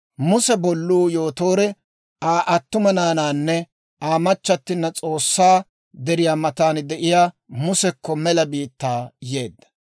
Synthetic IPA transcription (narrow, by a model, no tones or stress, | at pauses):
mʊsɛbɔlːuːjoːt̪o̞ːɾɛ | aːʔɐt̪ːʊmɐnaːnaːnːɛ | aːmɐt͡ʃːɐt̪ːɪnːɐt͡sʼo̞ːsːaː | d̪ɛɾɪjaːmɐt̪aːnd̪ɛʔɪjaː | mʊsɛkːɔmɛlɐbiːt̪ːaːje̞ːd̪ːɐ̥